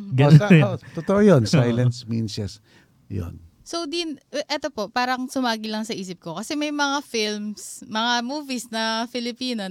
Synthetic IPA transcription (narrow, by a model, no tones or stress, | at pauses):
ɡɐot̪ot̪oʔojonsajlɐnsminsɛs | jo̰n | sowd̪inʔɛt̪o̞po̞paːɾɐŋsʊmaːɡɪlɐŋsɐʔiːs̬ɪp̚ko̞kɐsɛmɐjmɐŋafilmsmɐŋamuːvisnɐfɪlɪpiːno